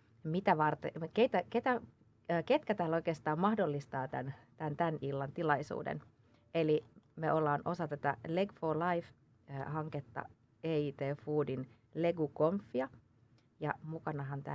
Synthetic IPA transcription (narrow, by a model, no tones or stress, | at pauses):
mit̪æʋɑrt̪ḛket̪æket̪æː | ket̪kæt̪æːlːoikeːst̪ɑːmmɑhdolːist̪ɑːt̪æ̰nt̪ænt̪ænilːɑnt̪ilɑisṵːdḛn | ʔelimeʔolːɑːnʔosɑt̪æt̪æ̰leɡfoːlɑif | hɑŋket̪ːɑ̰ | eːiːt̪eːfuːdin | leɡukomfːiɑ | jɑ̰mukɑnɑɦɑnt̪æ̰ː